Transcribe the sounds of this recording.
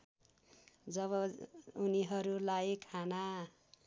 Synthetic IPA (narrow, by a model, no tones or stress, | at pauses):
d͡zʌβʌuniɦʌɾulajkʰana